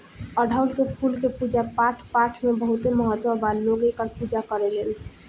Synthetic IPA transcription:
əɖʱawlkepʰulkepud͡ʒapaʈʰpaʈʰmebəɦut̪eməɦət̪wəballoɡekəɾpud͡ʒakəɾelen

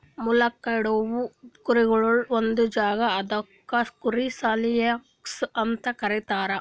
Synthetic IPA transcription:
mulɐkːɐiɽoʋukuɾiɡɐɭuɭond̪ud͡ʒaːɡɐːd̪ɐkːɐskuɾisaːlijɐksɐnt̪ɐkɐɾit̪aːɾɐ

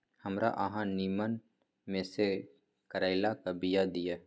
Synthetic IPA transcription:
həmɾa̰ʔəɦãniːmən | mẽse | kəɾaːɪlakəbɪjad̪ɪjaː

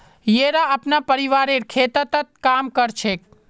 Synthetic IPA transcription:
jeɾaəpnapəɾiʋaɾeɾkʰet̪ət̪ət̪̚kamkəɾt͡ʃʰek̚

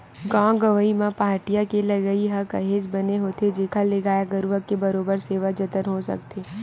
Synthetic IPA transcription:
ɡãːɡɐʋəimãpaːɾʈijakelɐɡəiɦɐkɐɦeːd͡ʒbɐneɦoːt̪ed͡ʒeːkʰaleɡaːjaɡɐɾuʋəkːebɐɾoːbəɾseːʋad͡ʒɐt̪ənɦosɐ̰k̚t̪ʰeː

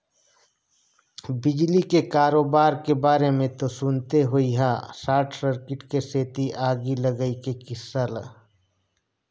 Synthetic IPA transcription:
bɪd͡ʒlikekaːɾoːbaːɾkebaːɾemẽt̪osʊnt̪eɦoiɦasaːʈʰsəɾkɪʈkeseːt̪iʔaːɡiləɡəikekɪsəl

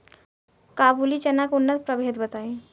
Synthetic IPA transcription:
kabulit͡ʃənakunːət̪̚pɾəbʱed̪bət̪ai

